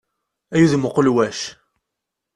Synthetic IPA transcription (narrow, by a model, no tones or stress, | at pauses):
æjuðməqəlwæʃ